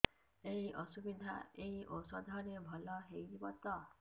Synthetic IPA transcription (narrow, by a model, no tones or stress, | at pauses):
eɦiʔɔsubid̪ʱa̰eɦiʔosɔd̪ʱɔɾebʱɔlɔɦejd͡ʒibɔt̪ɔ